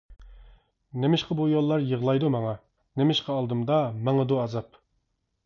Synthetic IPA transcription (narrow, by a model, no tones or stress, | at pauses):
nemɪʃqɑbujolˠːɑɾjəʁlˠɑjd̪umɑŋɑ | nemɪʃqʰɑɑlˠd̪ɨmd̪ɑmɑŋəd̪uɑzɑp